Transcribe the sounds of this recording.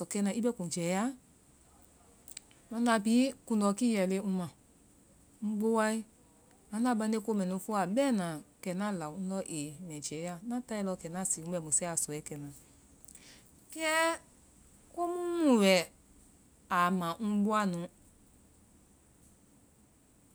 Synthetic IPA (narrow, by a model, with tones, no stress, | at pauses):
sɔ˨kɛ˧˦nã˨i˦bɛ˦kũ˨d͡ʒɛ˨˦ja˦ | nɔ˧˦na˧˨pi˨˦ku˧nɔ˨ki˦jɛ˨le˧˦ũ˧mã˨ | n̩˦ɡ͡bo˦wa˦i˦ | a˨˦na˦˨ba˧˦ne˦ko˦mɛ̃˨nũ˧˦fu˦a˨bɛ˦nã˨kɛ˨nã˦˨la˨ũ˦lɔ˧ʔe˨mɛ̃˨d͡ʒɛ˨˦ja˦nã˦ta˦i˧lɔ˧kɛ˨na˦˨si˨ũ˦ɛ˧˨mo˨sɛ˦a˨sɔ˨ɛ˨˦kɛ˨nã˨ | kɛ˦ | ko˦mũ˦˨wɛ˨ | a˨mã˨nũ˦ɡ͡bo˦a˦˨nũ˨˦